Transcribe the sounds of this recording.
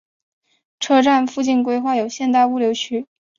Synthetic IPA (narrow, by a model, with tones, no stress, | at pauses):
ʈ͡ʂʰɤ˥ʈ͡ʂa˥˧nfu˥˧t͡ɕi˥˩nk̬we˥ɪxwa˥˩jo˨˩ʊɕjɛ˥˧nt̪̬a˥˧ɪu˥ljo˧˥ʊt͡ɕʰy˥